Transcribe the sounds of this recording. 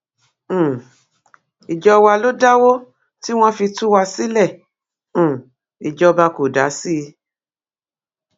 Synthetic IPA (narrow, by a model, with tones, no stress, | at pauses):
i˨d͡ʒɔ˧wa˧lo˦da˦wo˦ | ti˦w̃ɔ̃˦fi˧tũ˦wa˧si˦lɛ̃˦˨ | i˨d͡ʒɔ˧ba˧ko˨da˨˦si˦˧